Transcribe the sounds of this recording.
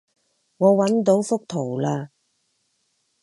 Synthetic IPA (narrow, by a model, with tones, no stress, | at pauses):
ŋɔː˨˧wɐ˨˥nt̪o˨˥wfʊ˥k̚t̪ʰo˨˩wlaː˧